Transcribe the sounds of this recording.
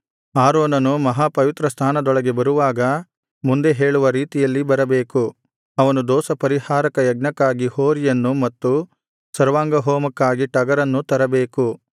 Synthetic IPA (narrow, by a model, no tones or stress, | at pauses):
aːɾoːnɐnumɐɦaːpɐʋit̪ɾɐst̪ʰaːnɐd̪ɔɭɐɡe̞bɐɾuʋaːɡɐ | mund̪e̞ɦe̞ːɭuʋɐɾiːt̪ijɐlːibɐɾɐbe̞ːku | ɐʋɐnud̪ɔːsɐpɐɾihaːɾɐkɐjɐɡ̚nɐkːaːɡihoːɾijɐnːumɐt̪ːu | sɐɾʋaːŋɡɐɦoːmɐkːaːɡiʈɐɡɐɾɐnːut̪ɐɾɐbe̞ːku